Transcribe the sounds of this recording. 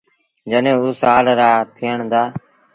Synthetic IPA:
d͡ʒənẽːuːsaːlɾaːt̪ʰiːəɳd̪aː

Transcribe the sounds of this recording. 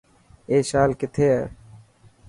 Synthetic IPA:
eːʃaːlkɪt̪ʰeː

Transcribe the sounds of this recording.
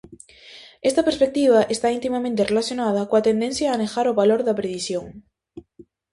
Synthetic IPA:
est̪ɐpeɾspek̚t̪iβ̞aʔest̪aint̪imamẽnt̪erelaθjonað̞ɐkoat̪end̪ẽn̟θjaːnexaɾoβaloɾðɐpɾeðisjoŋ

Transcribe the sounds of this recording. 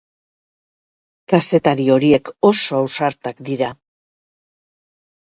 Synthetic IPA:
kase̞t̪aɾio̞ɾie̞ko̞so̞awsaɾt̪akd̪iɾa

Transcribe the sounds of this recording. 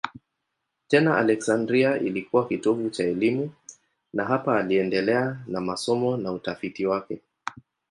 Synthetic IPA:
tɛnaʔa̰lɛksandɾiaʔilikuwakitɔvut͡ʃaɛlimu | naɦapaːliɛndɛlɛanamasɔmɔnautafitiwakɛ

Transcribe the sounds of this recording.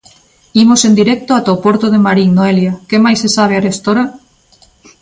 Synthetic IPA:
imosend̪iɾɛk̚t̪oat̪aopoɾt̪oð̞emaɾiŋnoeljakemajsesaβ̞earest̪oɾa

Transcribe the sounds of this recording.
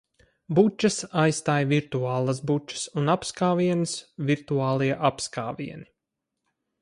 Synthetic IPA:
but͡ʃːɐsajst̪aːjviɾt̪uaːlˠəsbut͡ʃːə̥sunapskaːviɛnɨsviɾt̪uaːlˠiɛʔapskaːvḭɛni

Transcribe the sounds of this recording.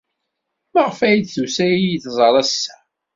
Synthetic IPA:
məʁəfæjid̪θusæjijθzˤɾˤɑsːæ

